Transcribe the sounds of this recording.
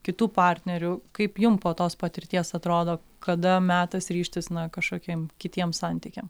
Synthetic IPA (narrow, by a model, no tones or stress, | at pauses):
kʲɪt̪uːpɑːɾʲt̪ʲnʲɛɾʲʊkɐɪpjʊmpoːt̪oːspɐt̪ʲɪɾʲt̪ʲiɛsɐt̪ɾoːd̪oː | kɐd̪ɐmʲæːt̪ɐsɾʲiːʃʲt̪ʲɪsnɐkɐʃkoːkʲimkʲɪt̪ʲiɛmsɑnʲt̪ʲiːkʲɛm